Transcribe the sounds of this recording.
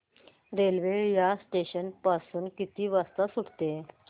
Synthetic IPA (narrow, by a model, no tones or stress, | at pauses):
ɾelʋejasʈeɕənpasuːnkit̪iːʋast̪asuɽt̪e